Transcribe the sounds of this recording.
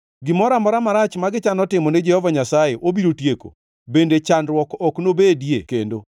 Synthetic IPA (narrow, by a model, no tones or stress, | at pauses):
ɡɪmɔɾamɔɾamaɾat͡ʃmaɡɪt͡ʃanɔtɪmɔnɛd͡ʒɛhɔvaɲasajeʔobiɾotjeko̰ | bendet͡ʃandɾwɔkɔknobedjekḛndo̰